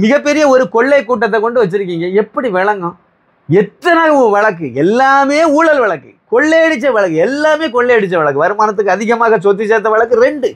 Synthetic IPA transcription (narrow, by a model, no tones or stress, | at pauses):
mɪɣɐpːɛɾɪjɐɔɾɯkɔɭːeɪkːuːʈ̬ːɐt̪̬ːɐkːɔɳɖɯʋɐt͡ʃːɪɾɯk̬ːiːŋɡɐɛpːɐɽiʋɛɭɐŋɡʊ̃ | ɛt̪ɾɐnaːɣɐʋɐɭɐk̬ːɯɛlːaːmeːuːɭɐlʋɐɭɐkːɯ̰kɔɭːeɛɽɯt͡ʃːɐʋɐɭɐkːɯɛlːaːmeːkɔɭːeɛɽɯt͡ʃːɐʋɐɭɐkːɯʋɐɾɯmaːnɐt̪̬ːɯkːɯɐðɪɣɐmaːɣɐsot̪̬ːɪt͡ʃːɐt̪ːɐʋɐɭɐkːɯɾɛɳɖɯ